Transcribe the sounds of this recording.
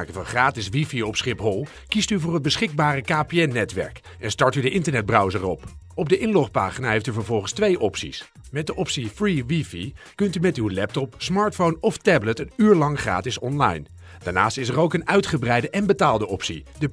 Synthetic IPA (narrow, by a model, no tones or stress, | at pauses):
kəvɑnχraːtɪsʋifiɔpsχɪpɦɔlˠ | kistyvʊːrɦəd̚bəsχɪɡ̚baːrəkaːpeɛnːɛtʋɛ̰ɹk | ʔɛnstɑɹtydəʔɪntəɹnɛd̚brʌwzərɔp | ɔb̚dəʔɪnlɔχpa̰ːχinaːɦejftyvəɹvɔlˠχənstʋejʔɔpsḭs | mɛt̚dəʔɔpsifriʋifḭ | kɵntymɛtywlɛp̚tɔpsmɑːɹtfownɔftɛblətənyːɹlɑŋχra̰ːtɪsɔnlɑ̰jn | d̥aːɹna̰ːstɪsərowkənœɥtχəbrɛjdəʔɛnbətaːlˠdəʔɔpsḭdə